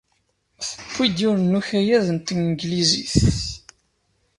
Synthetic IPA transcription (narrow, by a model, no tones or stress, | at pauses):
θə̥pʰːid̪jʊɾnːuçæjæðənt̪ənɡliziθ